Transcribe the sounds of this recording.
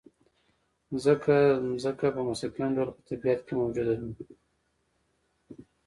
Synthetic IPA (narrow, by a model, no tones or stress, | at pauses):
zəkʰazəkapəmasɪklaɳɖolopə̥t̪abijat̪kemawd͡ʒud̪ajum